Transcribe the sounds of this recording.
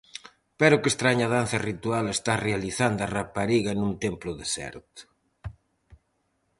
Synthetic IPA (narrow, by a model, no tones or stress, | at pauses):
pɛɾʊkest̪ɾaɲaðan̟θɐrit̪ualest̪arealiθand̪arapaɾiɣɐnũnt̪emplʊðesɛ̰ɾt̪ʊ̥